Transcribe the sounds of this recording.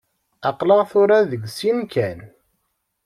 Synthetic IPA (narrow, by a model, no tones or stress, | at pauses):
ɑqləʁθʊɾaðəɡsinkæn